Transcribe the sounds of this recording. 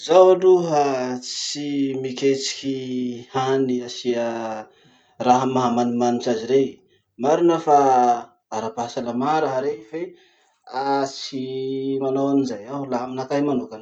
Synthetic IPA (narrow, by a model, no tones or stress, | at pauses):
zawaɖ͡ʐuɦat͡simikʲet͡si̥kʲihaniasiə | raɦəmaɦamanimanit͡ʃaziɾej | maɾunəfa | aɾapasalamaɾaɦaɾefe | at͡simanowanizajawlaaminakajmanukan